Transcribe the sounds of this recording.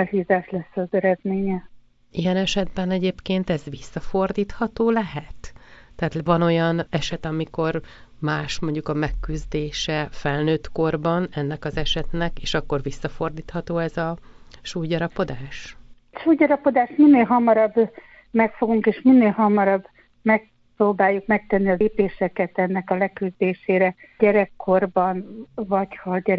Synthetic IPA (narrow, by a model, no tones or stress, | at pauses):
ɛlhiːzaːʃlɛsːɒzɛɾɛd̪meːɲɛ | ijɛnɛʃɛd̪bɛnɛɟeːpkeːnt̪ɛzʋisːɒfo̞rd̪iːt̪hɒt̪oːlɛɦɛt̪ːɛːt̪vɒno̞jɒnɛʃɛt̪ɒmiko̞r | maːʃmo̞ɲɟukɒmɛkːyzd̪eːʃɛfɛlnøːt̪ko̞rbɒnɛnːɛkɒzɛʃɛt̪nɛkeːʃɒkːo̞rvisːɒfo̞rd̪iːt̪hɒt̪oːɛzɒʃuːjɟɒɾɒpo̞d̪aːʃ | ʃuːjɟɒɾɒpo̞d̪aːʃminːeːlɦɒmɒɾɒb | mɛkfo̞ɡuŋkeːʃminːeːlɦɒmɒɾɒbː | mɛk̚ | proːbaːjːukmɛk̚t̪ɛnːiɒleːpeːʃɛkɛt̪ɛnːɛkɒlɛkyzd̪eːʃeːɾɛɟɛɾɛkʰːo̞rbɒnvɒchɒɟɛ